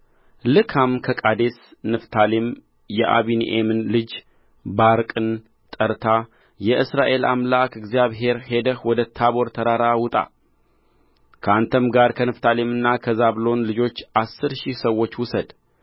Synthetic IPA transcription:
lɨkʰamkʰəkʼad̪e̞snɨft̪ʰalem | jɛʔa̰βinḭʔemɨnlɨd͡ʒ | baɾkʼɨn | t̪ʼəɾt̪ʰa | jɛʔɨsɾaʔe̞la̰mlakɨɡzijaβɦe̞ɾhe̞d̪əhwɔd̪ət̪ʰaβo̞ɾt̪ʰəɾaɾawʊt̪ʼa̰ | kʰəant̪ʰəmɡaɾkʰənɨft̪ʰalemɨnːakʰəzaβlo̞nlɨd͡ʒo̞t͡ʃːʔasːɨɾʃisəwːo̞t͡ʃːwʊsəd̪

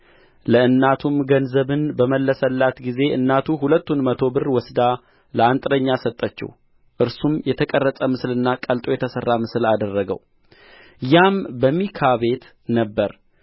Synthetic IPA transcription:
ləɨnːat̪ʰumɡənzəβɨnbəməlːəsəlːat̪ɡize̞ʔɨ̰nːat̪ʰuɦulət̪ːunmət̪ʰo̞bɨrwɔsd̪a | ləant̪ʼɾəɲːasət̪ʼːət͡ʃːɪ̰w | ʔɨɾsumjɛt̪ʰəkʼərːəsʼəmɨslɨnːakʼəlt̪ʼo̞jɛt̪ʰəsərːamɨsɨlad̪ərːəɡə̰w | jambəmːikʰaβe̞t̪ | nəbːəɾ

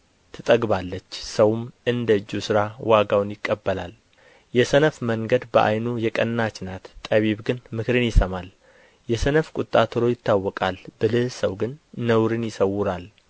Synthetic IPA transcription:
t̪ʰɨt̪ʼəɡβalːət͡ʃːsəwumɨnd̪əɨd͡ʒːusɨɾawaɡawnjɪkʼːəbːəlal | jɛsənəfməŋɡəd̪bəʔa̰jnujɛkʼənːat͡ʃnat̪t̪ʼːəβiβɡɨnmɨkɾɨnjɪsəmal | jɛsənəfkʼut̪ʼːat̪ʰɨɾo̞jɪt̪ʰːawːɔkʼalbɨlɨhsəwɡɨnːəwɾɨnjɪsəwːʊɾal

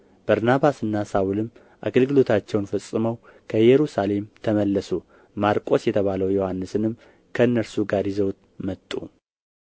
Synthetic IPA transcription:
b̥əɾnaβasɨnːasawulɨm | ʔa̰ɡəlɡɨlo̞t̪ʰat͡ʃːɛwnfəsʼːɨməw | kʰəjɛɾusale̞mt̪ʰəməlːəsu | maɾkʼo̞sjɛt̪ʰəβaləwjohanːɨsɨnɨm | kʰəɨnːəɾsuɡaɾizəwt̪ | mət̪ʼːṵ

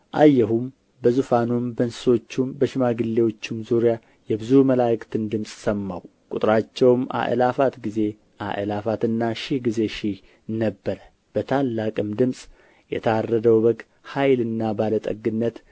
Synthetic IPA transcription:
ʔajːɛɦum | bəzufanumbənsso̞t͡ʃːumbəʃɪmaɡɨlːewo̞t͡ʃːɪmzuɾija | jɛbɨzuməlajkʼt̪ʰɨnd̪ɨmsʼsəmːawkʼut̪ʼɾat͡ʃːɛwma̰ʔə̰lafat̪ɡize̞ | ʔa̰ʔəlafat̪ɨnːaʃihɡize̞ʃi | nːəbːəɾə | b̥ət̪ʰalːakʼɨmd̪ɨmsʼ | jɛ̰t̪ʰəarːəd̪əwbəɡ | hajlɨnːabalət̪ʼə̰ɡɨnːət̪

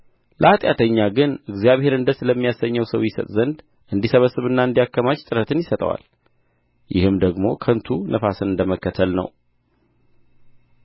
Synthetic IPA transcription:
lʔəat̪ʼjat̪ʰəɲːaɡɨnɨɡzijaβhe̞ɾɨnd̪əsɨləmːijasəɲːəwsəwjɪsə̰t̪ʼzənd̪ | ʔɨnd̪isəβəsːɨβɨnːaɨnd̪ijakːəmat͡ʃt̪ʼɨɾət̪ʰɨnjɪsət̪ʼə̰wa̰l | jɪ̰hɨmd̪əɡmo̞kʰənt̪ʰunʔəfasɨnɨnd̪əməkːət̪ʰəlnə̰w

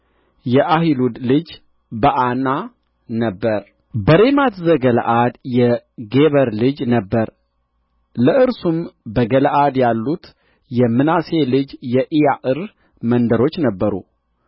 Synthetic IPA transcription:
jɛʔaɦilud̪lɨd͡ʒ | bəʔana | nəbːəɾ | bəɾe̞mat̪ʰzəɡələ̰ʔad̪jɛɡe̞βəɾlɨd͡ʒnəbːəɾ | ləʔɨɾsumbəɡələʔad̪jalːut̪ | jɛmːɨnase̞lɨd͡ʒjɛʔijaʔɨɾ | mənd̪əɾo̞t͡ʃːnəbːəɾṵ

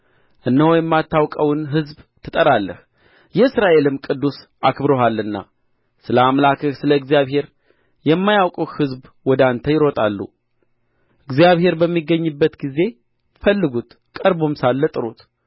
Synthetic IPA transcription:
ʔɨnːəwojɛmːat̪ʰːawkʼəwnɦɨzbt̪ʰɨt̪ʼəɾalːə̰h | jɛɨsɾaʔe̞lɨmkʼɨd̪ːus | ʔakbɾoɦalːɨnːa̰ | sɨləamlakʰɨhsɨləɨɡzijaβhe̞ɾ | jɛmːajawkʼuhɨzbwɔd̪ant̪ʰəjɪɾo̞t̪ʼalːṵ | ʔɨɡzijaβɦe̞ɾbəmːiɡːəɲːɨbːət̪ɡize̞ | fəlːɨɡut̪ | kʼəɾbomsalːət̪ʼɨɾut̪

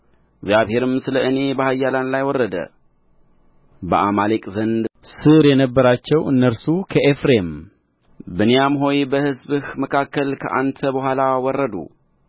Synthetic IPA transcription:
ɪɡzjaβhe̞ɾɨmsɨləʔɨne̞bəhajːalanlajwɔrːəd̪ə̰ | bə̰ʔamalekʼzənd̪sɨɾjɛnəbːəɾat͡ʃːɛwɨnːəɾsukʰəʔefɾem | bɨnijamɦo̞jbəhɨzbɨhməkʰakːəlkʰə̰ʔant̪ʰəbəhʷalawɔrːəd̪ṵ

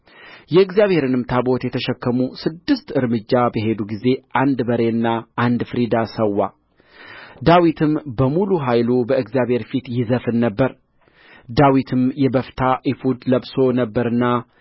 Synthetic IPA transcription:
jɛɨɡzijaβhe̞ɾɨnɨmt̪ʰabot̪jɛt̪ʰəʃɛkːəmusɨd̪ːɨst̪ɨɾmɨd͡ʒːabəɦe̞d̪uɡize̞ʔand̪bəɾe̞ɨnːaand̪fɨɾid̪asəwːa | d̪awit̪ʰɨmbəmuluɦajlubəɨɡzjaβhe̞ɾfit̪jɪzəfɨnːəbːəɾ | d̪awit̪ʰɨmjɛbəft̪ʰaʔifud̪ləbso̞nəbːəɾɨnːa

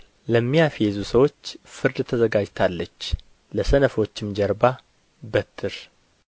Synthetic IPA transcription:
ləmːijafjezusəwo̞t͡ʃːfɨɾd̪t̪ʰəzəɡad͡ʒt̪ʰalːət͡ʃː | ləsənəfo̞t͡ʃːɪmd͡ʒəɾba | bət̪ʰːɨɾ

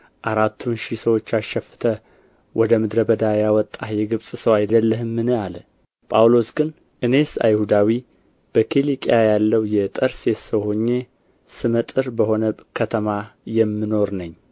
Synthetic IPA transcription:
ʔaɾat̪ʰːunʃisəwo̞t͡ʃːaʃɛfɨ̥t̪ʰə | wʔɔd̪əmɨd̪ɾəbəd̪ajawɔt̪ʼːahjɛɡɨβsʼsəwajd̪əlːəɦɨmːɨnɨalə | pʼawlo̞sɡɨn | ʔɨne̞sa̰jhud̪awi | b̥əkʰilikʼjajalːəwjɛt̪ʼəɾsesəwhoɲːe̞ | sɨmət̪ʼɨɾbəho̞nəkʰət̪ʰəmajɛmːɨno̞ɾnəɲː

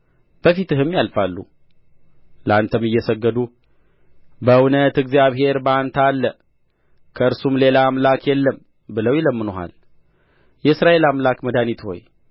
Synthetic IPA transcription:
b̥əfit̪ɨɦɨmːjalfalːu | ləant̪ʰəmɨjːɛsəɡːəd̪u | bəwnət̪ɨɡzijaβɦe̞ɾbəant̪ʰalːə | kʰəɨɾsumle̞laːmlakjɛlːəm | bɨləwjɛləmːɨnoɦa̰l | jɛɨsɾaʔe̞lamlakməd̪anit̪ho̞̰j

